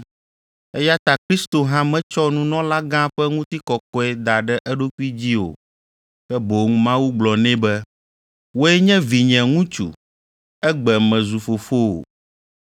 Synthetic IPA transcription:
ɛ˦ja˦t̪a˦kɾi˦st̪o˨ɦã˦mɛ̃˦t͡ʃɔ˦nũ˦nɔ̃˦la˦ɡã˦ɸɛ˦ŋũ˦t̪i˦kɔ˨kɔ˦ɛ˦d̪a˨ɖɛ˦ʔɛ˦ɖo˦ku˦i˦d͡ʑi˦o̰˨ | kɛ˦bo˨ŋũ˦mã˦wu˦ɡ͡blɔ˨nɛ̃˦bɛ˦ | wo˦ɛ˦ɲɛ̃˦vi˨ɲɛ̃˨ŋũ˦t͡ʃṵ˨ | ɛ˦ɡ͡bɛ˨mɛ̃˨zu˨fo˨fo˦o̰˨

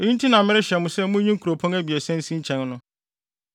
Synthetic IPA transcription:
o˨ɲĩ˦n˦tʰi˦nã˨mɪ̃˦ɾɪ˦ɕɛ˨mʊ̃˦sɛ˦mʊ̃˦ɲĩ˦ŋ̩˦kʰu˨ɾo˨pʰɔ̃˦næ˦bi˨æ˨sɛ̃˦n˦sĩ˦ɲ̩˦t͡ɕʰɛ̃˨˦nnʊ̃˦

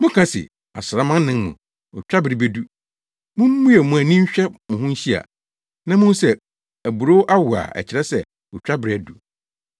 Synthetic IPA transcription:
mʊ̃˦kʰã˦sɪ̰˨ | a̰˨sɪ˨ɾa˨mã˦n˦nɪ̃˦m˦mṵ̃˨ | ʊ˨t͡ɕᶣa˦bɪ˨ɾɪ˨be˦du˦ | mʊ̃˦m˦mũ˦jɛ˨mũ˨æ˨nĩ˦ɕᶣɛ˦mʊ̃˨ɦʊ̃˦ɕi˦a̰˨ | nã˦mʊ̃˦n˦sɛ˦ | æ˨bu˨ɾo˦ʔa˦wʊ˨a̰˨ɛ̰˨t͡ɕʰɪ˨ɾɛ˦sɛ˨ | ʊ˨t͡ɕᶣa˦bɪ˨ɾɪ˨æ˨du˨

